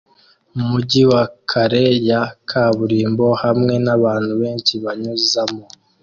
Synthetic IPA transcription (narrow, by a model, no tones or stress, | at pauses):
mumuɟiwakʰaɾejakʰaβuɾiːmbo̞hamŋe̞naβaːn̥huβe̞ːnt͡ʃiβaɲuzamo